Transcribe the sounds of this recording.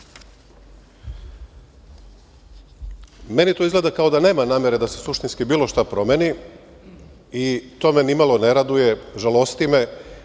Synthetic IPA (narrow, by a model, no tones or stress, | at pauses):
me̞nit̪oizɡle̞d̪akao̞d̪ane̞ːmanaːmjeɾed̪asesuʃt̪inskibiːlo̞ʃt̪apɾo̞meni | it̪o̞menimalˠo̞neɾad̪uje̞ʒalo̞st̪ime̞